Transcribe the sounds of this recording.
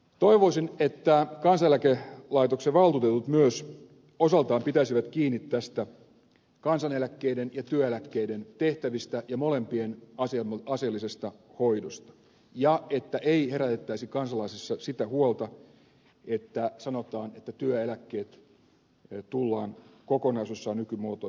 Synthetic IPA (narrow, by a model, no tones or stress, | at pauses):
t̪oiʋoisinet̪ːækɑnsɑelækelɑit̪okseʋɑlt̪ut̪et̪ut̪myøs | osɑlt̪ɑːmpit̪æisiʋæt̪kiːnːit̪ːæst̪æ | kɑnsɑnelækːeidenjɑt̪yøelækːeident̪eht̪æʋist̪æjɑmolempienɑsɑselːisest̪ɑhoidost̪ɑ̥ | jɑet̪ːæʔeihe̞ɾæt̪et̪ːæisikɑnsɑlɑisisːɑsit̪æhuolt̪ɑ | et̪ːæsɑnot̪ɑːnet̪ːæt̪yøelækːeːt̪ | t̪ulːɑːnkokonɑisusːɑːnykymoːt̪o